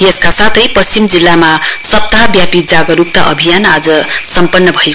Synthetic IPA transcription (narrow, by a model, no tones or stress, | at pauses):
jeskasat̪ʰʌjpʌst͡ɕimd͡zilːamasʌp̚t̪aɦʌbjapid͡zaɡʌɾup̚t̪aʔʌbʱijanad͡zʌsʌmpʌnːʌbʱʌe